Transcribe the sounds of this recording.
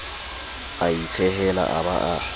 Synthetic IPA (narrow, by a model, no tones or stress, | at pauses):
ait͡sʰɛɦɛla̰ʔabaʔa